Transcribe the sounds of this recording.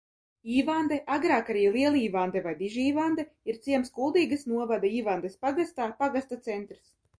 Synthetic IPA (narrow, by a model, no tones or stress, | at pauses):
iːvand̪ɛʔaɡɾaːkaɾiːlˠiɛlˠiːvand̪ɛvajd̪iʒiiːvand̪ɛiɾt̪siɛmskulˠd̪iːɡɐsnuɔvad̪aiːvand̪ɛspaɡast̪aːpaɡast̪at̪sɛnt̪ɾis